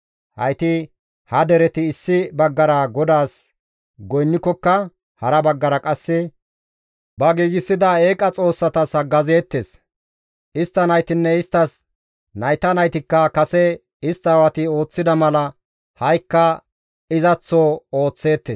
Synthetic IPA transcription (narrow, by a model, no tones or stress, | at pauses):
hɐ̰jt̪ɪ | hɐd̪ɛɾɛt̪ɪːsːɪbɐɡːɐɾɐɡɔd̪aːs | ɡɔjnːɪkːɔkːɐ | hɐɾɐbɐɡːɐɾɐkʼɐsːɛ | bɐɡiːɡɪsːɪd̪ɐe̞ːkʼɐt͡sʼo̞ːsːɐt̪ɐshɐɡɐzeːt̪ːeːs | ɪst̪ːɐnɐjt̪ɪnːɛɪst̪ːɐs | nɐjt̪ɐnɐjt̪ɪkːɐkɐsɛ | ɪst̪ːɐwɐt̪ɪo̞ːt͡sːɪd̪ɐmɐlɐ | hɐjkːɐ | ɪzɐt͡sːɔoːt͡sːe̞ːt̪ːeːs